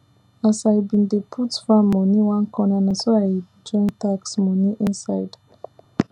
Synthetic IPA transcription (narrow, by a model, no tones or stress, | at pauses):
asajbĩndepʰutfamːɔ̃niwãnkɔ̃nãnãnsoad͡ʒɔ̃ŋtaksmɔ̃niʔĩnsaɪd